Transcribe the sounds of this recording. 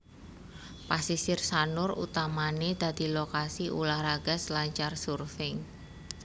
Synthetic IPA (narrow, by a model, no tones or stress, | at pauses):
pasisɪrsanʊrṵt̪amaned̪̥a̤d̪̥i̤lokasiʔṵlahraɡ̥a̤slaɲt͡ʃarsurfɪŋ